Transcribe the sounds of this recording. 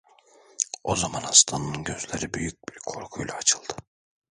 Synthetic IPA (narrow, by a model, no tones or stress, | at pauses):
o̞zamanast̪ʰanɯnɯnɟø̞zlʲeɾibyjyc̚biɾkʰo̞ɾkʰujlʲˠaːt͡ʃʰɯlˠd̪̥ɯ